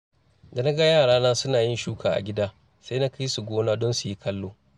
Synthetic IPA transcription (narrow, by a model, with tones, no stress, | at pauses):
da˨na˦ɡa˦jaː˦˨ɽaː˦naː˦sʊ˦naː˨jɪ˦nʃuː˦kʰaː˨ʔa̰˨ɡʲɪ˦daː˦ | sa˦jna˦ka˦ji˦su˨ɡʷoː˦naː˦dɔ˦nsu˨ji˦kʰɐ˦lːoː˦